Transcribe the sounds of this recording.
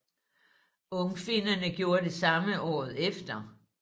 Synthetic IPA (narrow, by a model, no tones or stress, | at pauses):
ɔ̽ŋfinɐnəɡ̥jo̝ːɐde̝sɑ̈məʔɒ̰ːð̞̩ˠefd̥ɐ